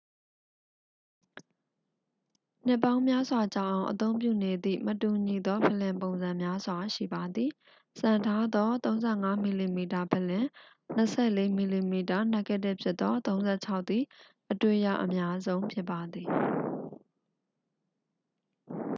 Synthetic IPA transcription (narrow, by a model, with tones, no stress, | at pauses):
n̥ɪ˦˨pːã˦ʊ̃mja˦zwa˨t͡ɕa˦˨ʔã˨ʊ̃ʔət̪õ˦ʊ̃mp̬jṵ˦˨ne˨d̪ḭ˦˨mətu˨ɲi˨d̪ɔ˦pʰə˨lɪ̃˨mpõ˨ʊ̃nzã˨mja˦zwa˨ʃḭ˦˨ba˨d̪ði˨ | sã˨ntʰa˦d̪ɔ˦t̪õ˦ʊ̃nzɛ˦˨ŋa˦mi˨li˨mi˨ta˨pʰə˨lɪ̃˨ | n̥əsʰɛ̰˦˨le˦mi˨li˨mi˨ta˨n̥ɛ˦kɛ˦˨tɪ˦ʔpʰjɪ˦t̪t̪ːɔ˦t̪õ˦ʊ̃nzɛ̰˦˨t͡ɕʰa˦ʊʔt̪i˨ | ʔətwe˦˨ja̰˦˨ʔəmja˦zõ˦ʊ̃mpʰjɪ˦pːa˨d̪ði˨